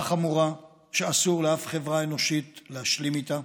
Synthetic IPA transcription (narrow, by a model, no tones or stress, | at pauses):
χamuʁa | ʃeasuʁleafχevʁae̞no̞ʃitleaʃlimit̪a